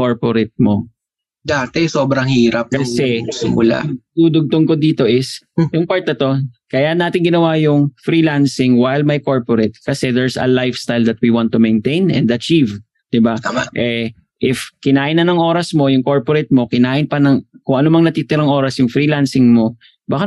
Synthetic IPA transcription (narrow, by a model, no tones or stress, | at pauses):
koɹpoɾɪt̪̚mo | d̪aːt̪ɛso̞ːbɾɐŋhiːɾɐp̚kɐsɛsɪ̰mʊ̰la̰ʔd̪uːd̪ʊɡ̚t̪ʊŋkod̪iːt̪o̞ʔɪs | jʊŋpaɹt̪̚nɐt̪o̞kɐjanːaːt̪ɪŋɡɪnɐwajʊŋfɾiːlansɪŋwajlmɐjko̞ɹpoɾɛt̪̚kɐsɛd̪ɛɹsɐ̰lajfst̪ajld̪ɐt̪̚wiwant̪ːumɛnt̪ejnɛ̰̃nd̪ɐt͡ʃiv | d̪̥ɪbaaaʔɛ | ʔɪfkɪnaːʔɪnːɐnɐŋʔo̞ːɾɐsmo̞jʊŋko̞ɹpoɾɛt̪̚mo̞kɪnaːʔɪnpɐnɐŋkʊŋʔɐnomɐŋnɐt̪iːt̪ɪɾɐŋʔo̞ːɾɐsjʊŋfɾiːlansɪŋmo̞ | baːka